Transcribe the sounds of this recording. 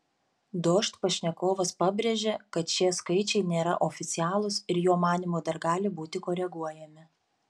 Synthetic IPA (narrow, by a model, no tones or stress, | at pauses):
d̪oːʃt̪pɐʃʲnʲɛkoːʋɐspɑːbʲɾʲeʒʲekɐt̪ʃʲiɛskɐɪt͡ʃʲɛɪnʲeːɾɐ̰ʔofʲɪt̪sʲɪæːlˠʊsɪɾjoːmɑːnʲimoːd̪ɐɾɡɑːlʲɪbuːt̪ʲɪkoːɾʲɛɡuɔjɛmʲɪ